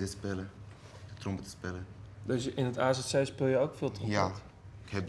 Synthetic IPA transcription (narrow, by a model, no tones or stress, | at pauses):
təspɪlə | ətrɔmbətə̥spɪlədøsjʔɪnətaːsɛtsɛjspɪlˠjəokfɪːlˠtrɔ̃mt | khɛb